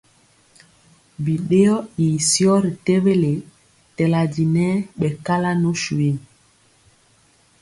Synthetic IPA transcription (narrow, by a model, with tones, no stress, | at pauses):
bi˨ɗe˦jɔ˦i˨sjɔ˦ɾi˨te˦be˦le˨ | tɛ˨la˨d͡ʒi˨nɛ˦ɓɛ˨ka˦la˦no˦ʃu˨e˦